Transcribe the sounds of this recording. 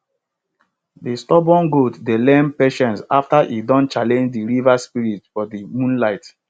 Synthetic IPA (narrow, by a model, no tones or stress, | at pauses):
distɔbɔ̃nɡoddelɛ̃mpeʃɛ̃nsa̰ftaʔidɔ̃nt͡ʃalɛ̃nd͡ʒdiɹivaspiɹitfɔdimũnlaɪt